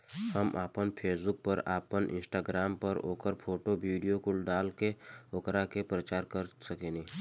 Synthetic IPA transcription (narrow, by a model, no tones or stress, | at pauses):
hɐmʔaːpənpʰeːsbʊk̚pəɾaːpənʔɪ̰̃nsʈaːɡɾaːmpəɾo̰ːkəɾpʰoːʈoʋiːɖijokʊlɖaːlkeoːkɾakepɾət͡ʃaːɾkəɾsɐkẽːnĩː